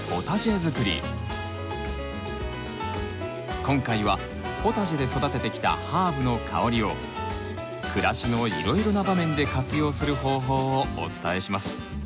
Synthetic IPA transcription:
ot̪aʑiazɨkɯ̟ɾʲḭ | kõ̞ŋkaiβa | ho̞t̪aʑid̪e̞so̞d̪at̪e̞t̪e̞kʲi̥t̪a̰haːbɯ̟no̞kʰa̰o̞ɾʲio̞ | kʰɯ̟ɾaɕino̞ḭɾo̞iɾo̞nabamẽ̞nd̪e̞kat͡sɨjo̞ːsɨɾɯ̟ɦo̞ːɦo̞ːoo̰t͡sɨ̥t̪ae̞ɕimasɨ̥

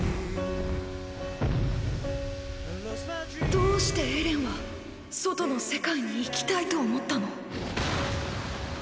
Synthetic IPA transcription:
d̪o̞ːɕi̥t̪e̞eɾẽ̞ɰ̃βa | so̞t̪o̞no̞se̞kaiɲ̟iːkʲi̥t̪ait̪o̞ːmo̞t̪ːano̞

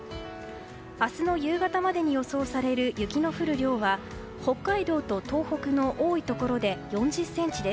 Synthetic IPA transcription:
asɨno̞jɯːɡat̪amad̪e̞ɲ̟ijo̞so̞ːsaɾe̞ɾɯ̟jɯ̟kʲino̞ɸɯ̟ɾɯ̟ɾʲo̞ːβa | ho̞kːaid̪o̞ːt̪o̞t̪o̞ːho̞kɯ̟no̞ʔoːit̪o̞ko̞ɾo̞d̪e̞jõ̞ɲ̟d͡ʑɨsːẽ̞ɲ̟t͡ɕid̪es

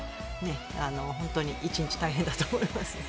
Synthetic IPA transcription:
ne̞ | ano̞ɦõ̞nt̪o̞ɲ̟iʔit͡ɕĩɲt͡ɕi̥t̪aiɦẽnd̪at̪oːmo̞imasɨ̥

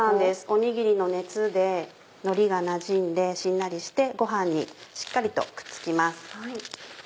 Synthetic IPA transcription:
ãnd̪e̞sɨ̥o̞ɲ̟iɡʲiɾʲino̞ne̞t͡sɨd̪e̞ | no̞ɾʲiɡanaʑĩnd̪e̞ɕĩnːaɾʲiɕi̥t̪e̞ɡo̞ɦãɲ̟ːḭɕi̥kːaɾʲit̪o̞̰kɯ̥t͡sɨ̥kʲimasɨ̥hai

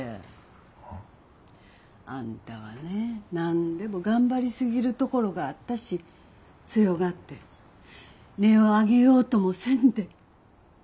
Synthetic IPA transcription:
ã̰nt̪aβa̰ne̞nãnd̪e̞mo̞ɡãmbaɾʲisɨɡʲiɾɯ̟t̪o̞ko̞ɾo̞ɡaːt̪ːaɕi | t͡sɨjo̞ɡat̪ːe̞ | ne̞oaɡe̞jo̞ːt̪o̞mo̞sẽ̞nd̪e̞

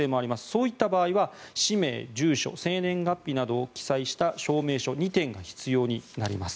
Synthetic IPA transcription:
eːmoaɾʲimasɨ̥so̞ːit̪ːabaːiβaɕime̞̰ːd͡ʑɨːɕo̞̰sẽ̞ːnẽ̞ŋɡapʲːinad̪o̞ːkʲi̥saiɕi̥t̪aɕo̞ːme̞ːɕo̞ɲ̟it̪ẽ̞ŋɡaçi̥t͡sɨjo̞ːɲ̟inaɾʲḭmasɨ̥

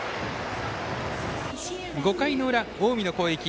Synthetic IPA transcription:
ɡo̞kaino̞ɯ̟ɾaoːmʲino̞ko̞ːekʲi

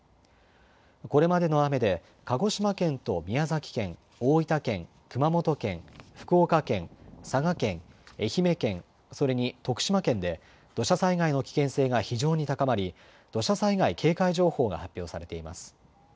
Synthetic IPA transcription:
ko̞ɾe̞mad̪e̞no̞ame̞d̪e̞ | kaɡo̞ɕimakẽ̞nt̪o̞mʲiazakʲi̥kẽ̞ŋ | oːit̪akẽ̞ŋ | kɯ̟mamo̞t̪o̞kẽ̞̰ŋɸɯ̟̥kɯ̟okakẽ̞ŋsaɡakẽ̞ŋe̞çime̞kẽ̞ŋ | so̞ɾe̞ɲ̟it̪o̞kɯ̟̥ɕimakẽ̞nd̪e̞ | d̪̥o̞ɕasaiɡaino̞kʲi̥kẽ̞ɰ̃se̞ːɡaçiʑo̞ːɲ̟it̪akamaɾʲi | d̪̥o̞ɕasaiɡaikʰe̞ːkaiʑo̞ːho̞ːɡa̰hapʲːjo̞ːsaɾe̞t̪e̞ima̰sɨ̥

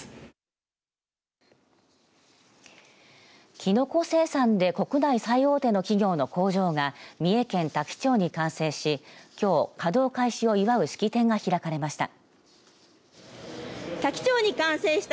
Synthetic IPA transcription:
kʲino̞ko̞se̞ːsãnd̪e̞ko̞kɯ̟naisaio̞ːt̪e̞no̞kʲiɡʲo̞ːno̞ko̞ːʑo̞ːɡamʲie̞kẽ̞nt̪akʲi̥t͡ɕo̞ːɲ̟ikãɰ̃se̞ːɕikʲo̞ːkad̪o̞ːkaiɕio̞iβaɯ̟ɕɨ̥kʲit̪ẽ̞ŋɡaçiɾakaɾe̞maɕi̥t̪a̰ | t̪akʲi̥t͡ɕo̞ːɲ̟ikãɰ̃seːɕi̥t̪

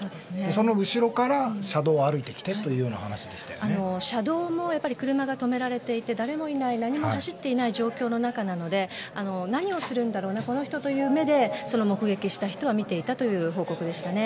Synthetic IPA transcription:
so̞ːd̪e̞sɨnesono̞ɯ̟ɕiɾo̞kaɾaɕad̪o̞ːaɾɯ̟it̪ekʲi̥t̪e̞t̪ːojɯ̟ːjo̞ːna̰hanaɕid̪e̞ɕi̥t̪aano̞ɕad̪o̞ːmo̞japːaɾʲi̥kɯ̟ɾɯ̟maɡat̪o̞me̞ɾaɾe̞t̪e̞it̪e̞d̪aɾe̞mo̞inainaɲ̟imo̞haɕit̪ːe̞inaiʑo̞ːkʲo̞ːnonakanano̞d̪e̞ano̞naɲ̟io̞sɨɾɯ̟̃nd̪aɾo̞ːnako̞no̞çi̥t̪o̞t̪o̞jɯ̟ːme̞d̪e̞so̞no̞mo̞kɯ̟ɡe̞kʲiɕi̥t̪açi̥t̪o̞βamʲit̪e̞it̪at̪o̞jɯ̟ːɦo̞ːko̞kɯ̟d̪e̞ɕi̥t̪ane̞

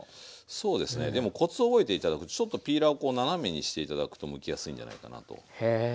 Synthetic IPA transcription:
so̞ːd̪e̞sɨne̞̰d̪e̞mo̞ko̞t͡sɨobo̞e̞t̪eit̪ad̪akɯ̟t̪o̞̥t͡ɕo̞t̪ːopʲiːɾaoko̞ːnaname̞ɲ̟iɕi̥t̪e̞it̪ad̪akɯ̟̥t̪o̞mɯ̟kʲijasɨĩɲ̟d͡ʑana̰ika̰na̰t̪o̞̰e

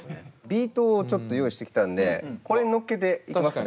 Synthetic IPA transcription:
bʲiːt̪o̞ːt͡ɕo̞t̪ːo̞jo̞ːiɕit̪e̞kʲi̥t̪ãnd̪e̞̰ko̞ɾeno̞kːe̞t̪e̞ikimas

